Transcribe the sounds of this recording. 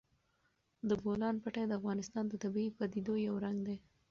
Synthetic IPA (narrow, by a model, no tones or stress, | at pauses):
d̪əbolɑnpaʈad̪əafɣɑnɪst̪ɑnd̪ət̪abiipad̪id̪ojawɾaŋɡd̪e